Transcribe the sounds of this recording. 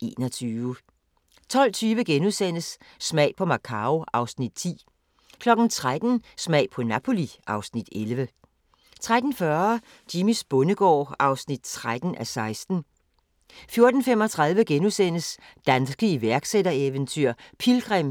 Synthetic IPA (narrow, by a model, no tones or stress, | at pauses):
ʔe̝̰ːnɒt͡sʰyːʋə | t͡sʰɒ̽l̰t͡sʰyːʋəɡ̥enusenəsː | mɛ̰ɪpʰɒ̽mɑ̈kʰɑ̈oʔɑ̈ʊsnid̥̚t͡sʰḭː | kʰlɒ̽ɡ̥n̩t͡sʰʁad̥n̩smɛɪ̰pʰɒ̽næpʰo̝liʔɑ̈ʊsnid̥elʋə | t͡sʰʁad̥n̩fɶɐ | d̥imisb̥ɔ̽nəɡ̥ɒ̰ːɑ̈ʊsnid̥t͡sʰʁad̥n̩ʔæsɑ̈ɪsd̥n̩ | fjo̝ɐd̥n̩fem̰ɒ̽t͡sʰʁɑ̈ðˠʋəɡ̥enusen̰əs | d̥ænsɡ̥əiʋæɐɡ̥sedɐeʋənt͡sʰyɐ̰pʰilɡ̥ʁɛm̰